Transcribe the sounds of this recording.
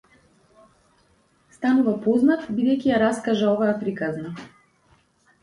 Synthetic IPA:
st̪anuvapɔznat̪bid̪ɛjkʲijaɾaskaʒaɔvajapɾikazna

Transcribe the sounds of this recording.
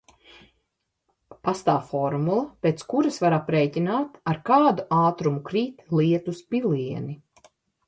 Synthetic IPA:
past̪aːwfɔɾmulˠɐpeːt̪skuɾasvaɾapɾɛːcinaːt̪aɾkaːd̪uʔaːt̪ɾumukɾiːt̪liɛt̪uspiliɛni

